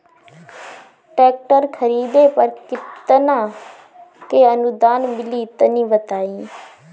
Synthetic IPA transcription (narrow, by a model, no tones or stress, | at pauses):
ʈɛːk̚ʈəɾkʰəɾiːd̪eːpəɾkɪtt̪nãː | keənʊd̪aːnmɪliːt̪ɐnĩːbət̪aːĩː